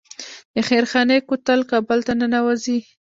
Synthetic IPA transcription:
d̪̥əxeɾxɑnekot̪alkɑbəlt̪anənawazi

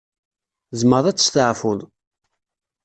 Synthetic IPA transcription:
zməɾˤæt͡sːə̥st̪əʕfʊð

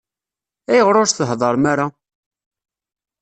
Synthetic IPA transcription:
æjəʁɾˤoɾθəɦðˤɑɾˤmaɾa

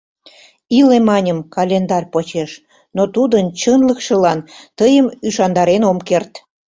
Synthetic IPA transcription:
ilemɑnʲəmkɑlʲend̪ɑrʲpot͡ɕeʃ | not̪ud̪ənt͡ɕənləkʃə̆lɑnt̪əjəmyʃɑnd̪ɑɾenomkert̪

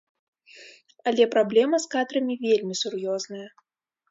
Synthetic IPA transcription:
ɐlʲɛpɾablʲɛmɐskad̪ɾɐmʲivʲelʲmʲisurjɔznɐjɐ

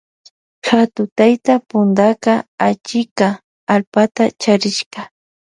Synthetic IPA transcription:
xat̪ʊt̪ajt̪apʊnd̪akaat͡ʃɪkaː | lpat̪at͡ʃaɾɪʃkɑ

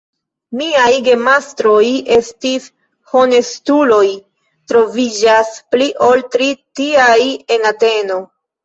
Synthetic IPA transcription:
miajɡe̞mastɾo̞je̞stis | ho̞ne̞stulo̞j | tɾo̞vid͡ʒaspliʔo̞ltɾitiaje̞nate̞no̞

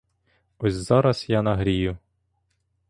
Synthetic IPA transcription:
ɔsʲzɑɾɐsjanɐɦɾʲijʊ

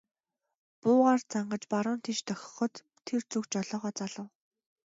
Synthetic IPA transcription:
pʊːʁaːrt͡sʰaɴɢə̆t͡ɕpaɾʊːnt̪ʰet͡ɕt̪œxʲɪ̥̆χɞ̆t̪ʰːert͡sukt͡ɕɔɮɔːʁɔːt͡saɮə̆w

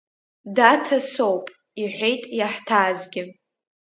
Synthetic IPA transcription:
datʰasowpʼ | iħʷejtʼjaħtʰaːzɡʲɪ

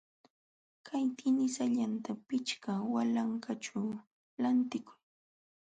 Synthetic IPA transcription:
kʰajt̪ʰɪnɪsaʎant̪apɪt͡ʃkawalaŋkʰaʈ͡ʂaw | lant̪ɪkʊ̥j

